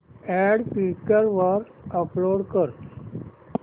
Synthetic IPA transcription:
ɛɖpikːəɾʋaɾəploɽkəɾ

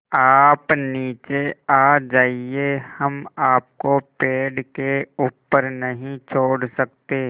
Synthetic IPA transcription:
aːpniːt͡ʃeaːd͡ʒaːiehɐmaːp̚kopeːɖkeuːpːəɾnɐɦĩt͡ʃʰoːɽsɐk̚t̪eː

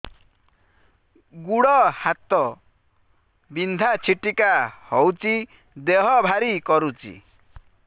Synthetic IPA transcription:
ɡuɽɔhat̪ɔ | bind̪ʱat͡sʰiʈikahɔwt͡si | d̪eɦɔbʱaɾikɔɾut͡ʃḭ

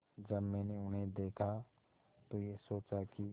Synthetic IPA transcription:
d͡ʒəbmɛːneʊnɦẽd̪eːkʰa | t̪ojesoːt͡ʃaki

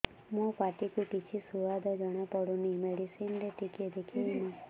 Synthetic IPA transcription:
mɔ̃paʈikuʈit͡ʃʰisuʋad̪ʱad͡ʒəɽ̃apɔɽũnimeɽisind̪eʈiked̪ekʰinĩ

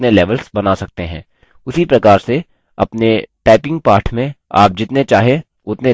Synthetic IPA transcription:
nelɛːʋəlsbɐnasɐk̚t̪eɦɛ̰̃ː | ʊsipɾɐkaːɾse | ɐ̰pneʈaːpɪ̃ŋɡ̚paːɾʈʰmẽa̰ːp̚d͡ʒɪt̪net͡ʃaːɦẽ | ʊt̪ne

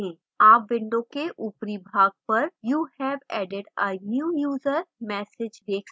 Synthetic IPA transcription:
ɛ̃ː | aːpʋɪ̃ɳɖõkeʔʊpɾibʱaːɡ̚pɐɾjuːhɛːʋɛːɖɪɖənjuːjuːzəɾmɛːsɪd͡ʒd̪eːks

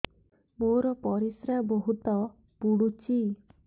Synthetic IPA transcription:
boɾɔpɔɾisɾaboɦut̪ɔ | puɽut͡ʃi

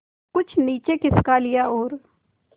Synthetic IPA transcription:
kʊt͡ʃʰniːt͡ʃekɪskalɪjaoːɾ

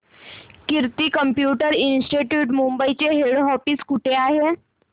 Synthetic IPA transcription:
kiɾt̪ikəmpjuːʈəɾinsʈiʈjuːʈmumbəit͡ɕeɦeɽɦɔfiskuʈʰeaɦe

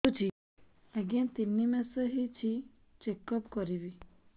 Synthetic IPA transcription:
ut͡ʃʰi | eɡãnt̪inːimɛsɔɦit͡ʃʰi | t͡ʃekɔpkɔɾibi

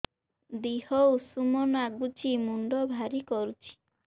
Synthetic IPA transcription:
d̪ihɔwsumɔnaɡut͡ʃimuɳɖɔbʱaɾikɔɾut͡ʃʰi̥

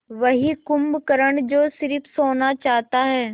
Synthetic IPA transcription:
ʋɐɦikʊmbkɐɾəɽ̃d͡ʑoːsɪɾɪfʰsoːnat͡ɕaːɦt̪aɦɛː

